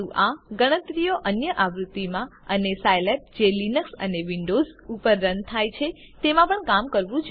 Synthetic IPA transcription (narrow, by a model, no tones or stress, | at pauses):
ũʔaɡəɽ̃ət̪ɾijoʔənjəʔaʋɾut̪ːimãənesajlep̚d͡ʒelinəksə̰neʋiɳɖozupəɾːənt̪ʰajt͡ʃʰe | t̪emãpəɳkamkəɾʋũt͡ʃʰ